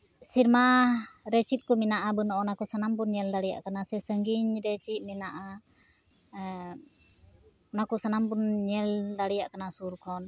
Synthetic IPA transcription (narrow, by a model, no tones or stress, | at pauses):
sirmaɾɛt͡ʃit̪̚kuminaʔabənɔʔɔnakusanampunɲɛlt̪aɾija̰ʔkənasɛsəŋɡiɲɾɛt͡ʃiʔ̚minaʔa | nakusanampunɲɛlt̪aɾijaʔkənasurkɔn